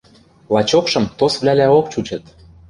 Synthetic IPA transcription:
lɑt͡ɕokʃɤ̆mt̪osβlʲælæok̚t͡ɕut͡ɕɤ̆t̪

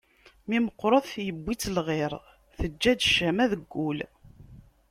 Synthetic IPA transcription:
miməqːɾˤoθjəbːit͡sːlʁɪɾˤ | θəd͡ʒːæd̪ʃæmæðəɡːul

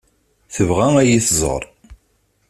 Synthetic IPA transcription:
θəvʁææjiθzˤə̰ɾˤ

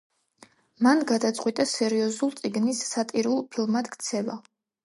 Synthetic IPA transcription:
manɡad̪at̪sʼqʼwit̪ʼasɛɾiɔzulˠt̪sʼiɡnisːat̪ʼiɾulˠpʰilˠmad̪̥kʰt̪sʰɛva

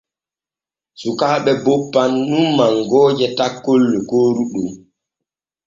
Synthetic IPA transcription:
sukaːɓɛbopːanːumːaŋɡɔːd͡ʒɛtakːolːɛkoːɾuɗum

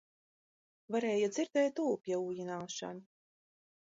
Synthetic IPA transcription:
vaɾɛːjad̪ziɾd̪ɛːjt̪uːpʲiɛuːjinaːʃa̰nu

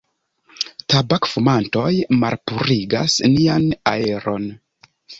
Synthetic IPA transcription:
tabakfumanto̞jma̰ɾpuɾiɡa̰snianae̞ɾo̞̰n

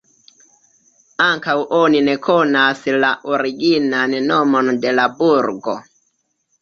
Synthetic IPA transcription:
aŋkawʔoninekʰonaslaʔoɾiɡinannomonde̞labuɾɡo

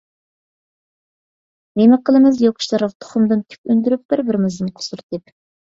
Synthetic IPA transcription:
nemɪqʰəlˠɨmɪzjokʰʊ̥ʃt̪ɑɾɑʁ̚t̪ʰʊ̥χʊmd̪ɨnt̪ʰy̥kʲynd̪yɾyp̚b̥ɪɾbɪɾɪmɪzd̪ɨnqʰʊ̥suɾd̪ɪp

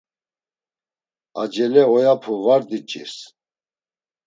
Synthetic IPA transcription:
a̰d͡ʒɛlɛɔjapʰuvaɾd̪it͡ʃʼḭs

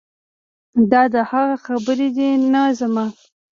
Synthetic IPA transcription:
d̪ɑd̪əhaɣaxabəɾed̪enazamɑ

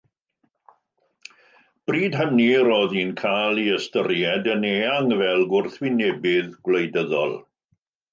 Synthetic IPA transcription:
b̥riːdɦəniɾɔðiːnkʰaːlˠiəstərjɛdəneːaŋvɛlˠɡʊrθwɪnɛbɪðɡwlejdəðɔ̰lˠ

